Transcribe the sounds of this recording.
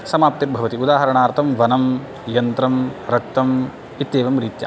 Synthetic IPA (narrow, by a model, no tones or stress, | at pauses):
sɐmaːp̚t̪iɾbʱɐʋɐt̪iud̪aːɦɐɾɐɳaːɾt̪ʰɐmʋɐnɐm | jɐnt̪ɾɐmɾɐk̚t̪ɐm | it̪jeːʋɐmɾiːt̪ja̰